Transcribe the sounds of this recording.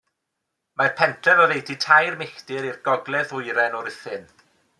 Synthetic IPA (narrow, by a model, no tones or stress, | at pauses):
marpʰɛntʰrɛvɔðejditʰajrmɪxtɪɾirɡɔɡlˠɛðʊɨɾɛnɔɾɪθɪn